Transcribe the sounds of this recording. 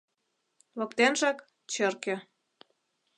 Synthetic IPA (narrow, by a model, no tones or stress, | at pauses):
lɤ̆kt̪enʒɑk | t͡ɕə̆rkĕ